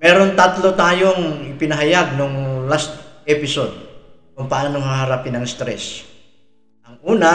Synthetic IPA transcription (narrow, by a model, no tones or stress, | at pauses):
mɛːɾont̪at̪lot̪aːjoŋɪpɪnɐɦajaɡ̚noŋlast̪̚ʔɛpɪsod̪̚ | kʊŋpɐʔaːnoŋhaɦɐɾaːpɪnɐŋst̪ɾɛs | ʔɐŋʔuːna